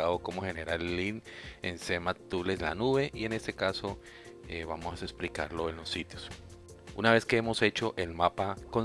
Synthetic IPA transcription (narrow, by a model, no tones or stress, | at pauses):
aðokomoxe̞neɾalinensemat̪ule̞zla̰nuβe̞ʔie̞ne̞st̪e̞kaso | eβamosesplika̰ɾlo̞enlosːit̪jos | unaβe̞ske̞emo̞se̞t͡ʃo̞ʔelmapakon